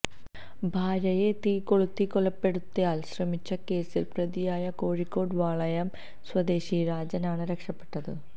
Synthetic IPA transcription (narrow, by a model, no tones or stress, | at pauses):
bʱaːɾɐje̞t̪iːkːo̞ɭut̪ːikoɭɐpːe̞ɽut̪ːɐjaːlɕrɐmit͡ɕːɐke̞ːsilprɐðijaːjɐko̞ːɻikːo̞ːɽʋaːɭɐjɐm | swɐd̪e̞ːɕiɾaːd͡ʑɐnaːɳɨɾekʂɐpːe̞̥ʈːɐðɨ̰